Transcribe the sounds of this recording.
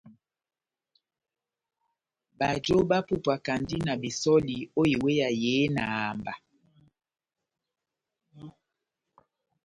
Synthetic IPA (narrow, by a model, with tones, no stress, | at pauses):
ba˨d͡ʒo˦ba˦pu˦pwa˨ka˨ndi˦na˨bi˨sɔ˦li˨o˦ji˨we˦ja˨jeː˨˦na̰˨a˨mba˨